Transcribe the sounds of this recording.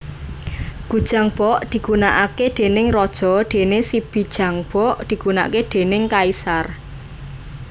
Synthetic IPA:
ɡ̥ṳd̥ʒ̥a̤ŋb̥ɔʔd̪̥i̤ɡ̥unaʔaked̪̥e̤nɪŋrɔd̥ʒ̥ɔ̤d̪̥e̤nesib̥i̤d̥ʒ̥a̤ŋb̥ɔʔd̪̥i̤ɡ̥una̰ʔked̪̥e̤nɪŋkaisar

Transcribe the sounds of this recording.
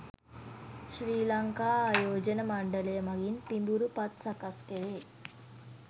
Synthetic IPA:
ʃɾiːlɐŋkaːajoːd͡ʒɐnɐmɐɳɖɐlɐjɐmɐɡinpimbuɾupɐt̪sɐkɐskeʋeː

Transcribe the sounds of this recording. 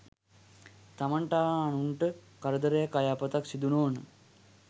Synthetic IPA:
t̪amaɳʈaːnuɳʈəkaɾəd̪əɾəjakːajaːpət̪aksid̪unoːnə

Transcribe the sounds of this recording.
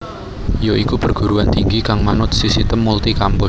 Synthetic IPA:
joʔikupərɡ̥ṳɾuant̪iŋɡikaŋmanʊt̪̚sisit̪əmːult̪ikampʊ

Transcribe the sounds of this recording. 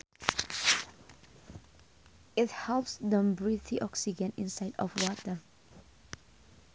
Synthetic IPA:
ɪt̚hɛlpsdə̃mbɹiθiʔɔksid͡ʒə̃nĩnsaɪdɔ̰fwɔtə

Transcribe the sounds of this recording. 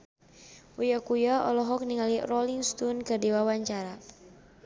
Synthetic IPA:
ujakujaɔ̰lɔɦɔk̚niŋalirɔliŋst̪unkərdiwawaɲt͡ʃaɾa

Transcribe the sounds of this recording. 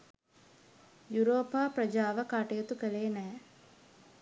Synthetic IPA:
juɾoːpaːpɾəd͡ʒaːʋəkaʈejot̪ukəleːnɛː

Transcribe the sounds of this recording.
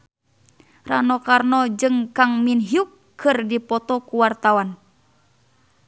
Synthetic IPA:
ranɔkarnɔd͡ʒɨŋkaŋminɦiukʰː | ɨrdipɔt̪ɔkuwart̪awan

